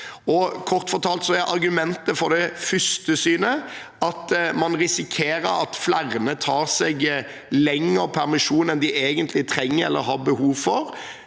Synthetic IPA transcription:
ɔkʰɔɾt̪fɔt̪ʰɑːlt̪sɔɛʔɑɾɡʉmɛnt̪əfɔɾd̪ɛfʏst̪əsyːnə | ɑt̪mɑnɾɪsɪkʰeːɾəɾɑt̪flæʁnət̪ʰɑːɾsɛɡ | lɛŋːəpʰæɾmɪʂuːnɛnd̪ɪʔeːɡənt̪ʰlɪt̪ʰɾɛŋːəɾɛ̰lːə̰ɾɦɑɾbəhuːʋfɔɾ

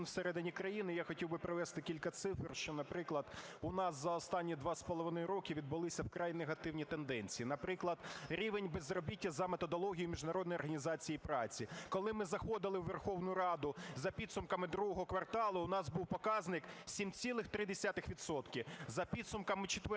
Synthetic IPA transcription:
nwseɾɛd̪ɪnʲikɾɐjinɪjaxɔtʲiwbɪpɾɪʋɛst̪ɪkʲilʲkɐt̪sɪfrʃt͡ʃɔnɐpɾɪklˠɐd̪ʊnɑszɐɔst̪ɑnʲːid̪ʋɑspɔlˠɔʋɪnɔjɾɔkʲɪʋʲid̪̚bʊlˠɪsʲɐwkɾɑjneɦɐt̪ɪwnʲit̪end̪ɛnʲt͡sʲijinɐpɾɪklˠɐd̪ɾʲiʋenʲbezrɔbʲitʲːɐzɐmet̪ɔd̪ɔlˠɔɦʲijʊmʲiʒnɐɾɔd̪nɔjɔrɦɐnʲizɑt͡sʲijipɾɑt͡sʲikɔlˠɪmɪzɐxɔd̪ɪlˠɪʋːerxɔwnʊʊɾɑd̪ʊzɐpʲid̪sʊmkɐmɪd̪ɾuɦɔɦɔkʋɐrt̪ɑlˠʊʊnɑzbuwpɔkɑznɪksʲimt͡sʲilˠɪxt̪ɾɪd̪esʲat̪ɪxʋʲit̪sɔt̪kʲɪzɐpʲid̪sʊmkɐmɪt͡ʃɪ̥t̪ʋ

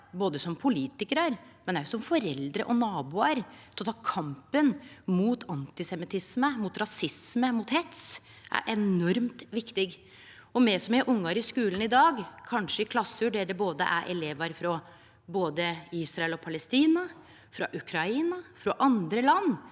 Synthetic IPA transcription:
boːd̪əsɔmpʰʊliːt̪ɪkəɾəɾmɛnæjʊsɔmfɔɾɛld̪ɾə̰ʔɔnɑːbuəɾt̪ʰɔt̪ʰɑːkʰɑmpənmuːt̪ʰɑnt̪ɪsɛmɪt̪ʰɪsməmʊt̪ɾɑsɪsməmʊt̪hɛt̪s | ʔæ̰ɾʔɛnɔɾmt̪ʋɪkt̪ɪɡ | ɔmɛsɔmɪʔʊŋːɑɾɪskʉːlənɪd̪ɑːɡkʰɑnʂəɪkʰlɑsːʉɖɛɖɛboːd̪ə̰ʔæ̰ɾʔɛ̰leːʋəɾfɾɑ | boːd̪əiːsɾɑɛlɔpʰɑlɛst̪iːnɑ | fɾɑʔʉkʰɾɑiːnɑfɾɑʔɑnd̪ɾəlɑnː

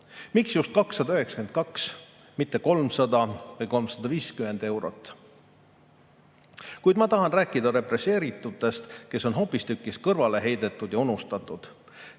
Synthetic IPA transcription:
miksjust̪̚kɑksːɑd̪ɑyhe̞ksɑ̥ke̞nt̪̚kɑks | mit̪ːe̞ko̞lmsɑd̪̥ɑvɤjko̞lmsɑd̪̥ɑviːskyme̞nd̪e̞wɾot̪ːˑ | kujd̪̥mɑt̪ɑɦɑnræːkːˑid̪̥ɑɾe̞pɾe̞se̞ːɾit̪ːˑut̪ːˑe̞st̪ke̞so̞nɦo̞pːˑist̪ykːˑiskɤrvɑle̞ɦe̞jd̪e̞t̪ːˑud̪̥jɑunust̪ɑt̪ːˑud̪̥

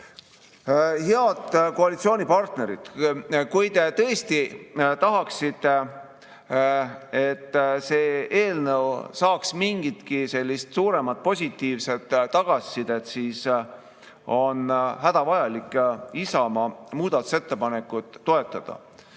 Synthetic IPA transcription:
heɑd̪ko̞ɑlit̪sio̞ːnʲipɑrt̪ne̞ɾḭt̪kujt̪e̞t̪ɤ̞est̪it̪ɑɦɑksit̪ːe | et̪ːseːe̞ːlnəwsɑːksmiŋɡ̥it̪kise̞lʲːist̪suːɾe̞mɑt̪̚po̞sʲit̪ːiːvse̞d̪̥ːɑɡ̥ɑsʲːid̪̥e̞t̪siːs | o̞nɦæd̪̥ɑvɑjɑlikːˑisɑmɑmuːd̪̥ɑt̪ːˑu̥se̞t̪ːe̞pɑne̞kːˑut̪ːo̞e̞t̪ːˑɑd̪̥ɑ̰

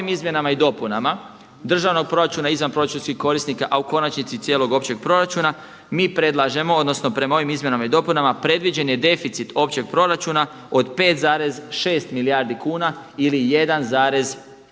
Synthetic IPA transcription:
imizmje̞namaid̪o̞punama | d̪r̩ʒaʋno̞ɡ̚pɾo̞ɾat͡ʃunaizʋanpɾo̞ɾat͡ʃunskixko̞ɾisnikaʔauko̞nat͡ʃnit̪sit̪sje̞ːlo̞ɡo̞pt͡ɕe̞ɡ̥̚pɾo̞ɾat͡ʃuna | miːpɾe̞d̪lˠaʒe̞mood̪no̞sno̞pɾe̞mao̞ʋimizmje̞namaid̪o̞punamapɾe̞d̪ʋid͡ʑe̞njed̪e̞fit̪sit̪o̞pt͡ɕe̞ɡ̚pɾo̞ɾat͡ʃuna | o̞d̪pe̞ːt̪zaːɾe̞zʃe̞ːst̪miliaːɾd̪ikuːnailije̞d̪anzaːɾe̞z

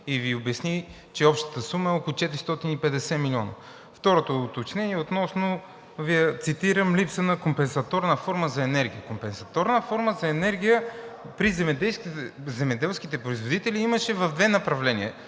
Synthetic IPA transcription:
iviʊbɛsni | t͡ʃɛɔpʃt̪ə̥t̪əsuməɛɔkolˠut͡ʃɛt̪iɾist̪ɔt̪inipɛd̪ɛsɛmilʲɔnə̰ | ft̪ɔɾot̪oːt̪ot͡ʃnɛniɛot̪nɔsnʊ | vijɐt̪sit̪iɾəmlipsənɐkompɛnsɐt̪ɔɾnəfɔɾməzɐɛnɛɾɡ̟ʲijəkompɛnsɐt̪ɔɾnəfɔɾməzɐɛnɛɾɡ̟ijə | pɾizɛmɛd̪ɛlskzɛmɛd̪ɛlˠskit̪ɛpɾoizvod̪it̪ɛliiməʃɛvɐvd̪vɛnɐpɾɐvlɛniɛ

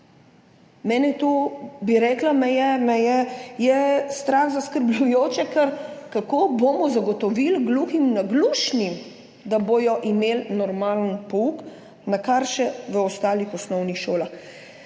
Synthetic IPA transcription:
mɛːnɛt̪ubiɾɛːklamɛjɛnɛjɛjɛst̪ɾaxzaskəɾblʲujoːt͡ʃɛkɛɾkakoːboːmɔzaɡɔt̪ɔʋilɡluximnaɡluːʃnim | d̪aboːjɔʔimeːlnɔɾmaːlənpɔuk | nakaɾʃɛʋəɔst̪aːlixɔsnɔwnixʃoːlax

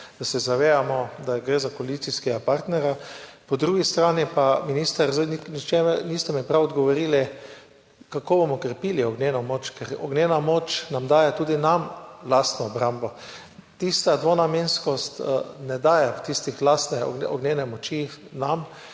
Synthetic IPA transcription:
d̪̥asɛzaʋeːjamɔd̪aɡɾeːzakɔalit̪siskɛɡapaɾt̪nɛɾjapɔd̪ɾuːɡist̪ɾaːnipaminiːst̪aɾzniknit͡ʃemɛniːst̪ɛmɛpɾawɔd̪ɡɔʋɔɾiːli | kakoːbomɔkɾɛpiːliɔɡneːnɔmoːt͡ʃkɛɾɔ̰ɡneːnamoːt͡ʃnamd̪aːjɛt̪uːd̪inamlast̪nɔːbɾambɔ | t̪ist̪ad̪ʋonamenskɔst̪nɛd̪aːjat̪ist̪ixlast̪nɛ̰ɔ̰ɡnʲenɛmɔt͡ʃinam

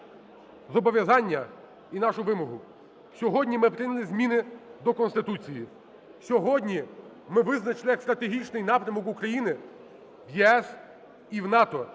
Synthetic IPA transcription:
zɔbɔʋʲjɐzɑnʲːɐ | inɑʃʊʋɪmɔɦʊ | sʲɔɦɔdʲnʲimɪpɾʲɪnʲɐlˠɪzʲmʲinɪd̪ɔkɔnst̪ɪt̪ut͡sʲiji | sʲɔɦɔdʲnʲi | mɪʋɪznɐt͡ʃɪlˠɪjɐkst̪ɾɐt̪eɦʲit͡ʃnɪjnɑpɾʲɐmɔkukɾɐjinɪ | ʋjɛɛs | iwnɑt̪ɔ

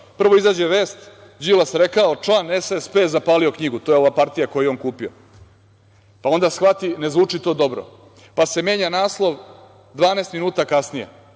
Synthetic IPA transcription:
pr̩ʋo̞izaːd͡ʑeʋeːst̪ | d͡ʑilasɾekaot͡ʂlˠaːnesespeːzapaːlio̞kɲiɡut̪o̞ːjeo̞ʋapaɾt̪ijako̞jeonkuːpio̰ | pao̞nd̪asxʋat̪ine̞zʋuːt͡ʂit̪o̞ːd̪o̞bɾo̰ | pase̞me̞ːɲanaːslˠo̞ʋ | d̪ʋaːneːst̪minuːt̪akasnijḛ

